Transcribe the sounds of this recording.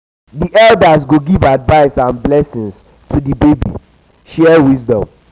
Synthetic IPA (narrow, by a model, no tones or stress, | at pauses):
diʔɛldasɡoɡivadvaɪsãnblɛsĩns | tʰudibebḭ | ʃɛwizdɔ̃m